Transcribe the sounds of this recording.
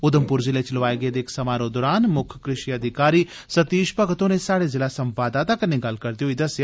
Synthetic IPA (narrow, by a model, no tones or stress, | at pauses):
ʊd̪əmpʊɾzɪlet͡ʃlʋaːeɡəed̪eːksəmaːɾod̪oːɾaːnmʊkʰkɾɪʃiəd̪ʱɪkaːɾiː | sət̪iːʃpəɡt̪õːnesaːɽezɪlasəmpaːd̪aːt̪akəɾneɡɐlkəɾd̪ijoiːd̪ɐsjaː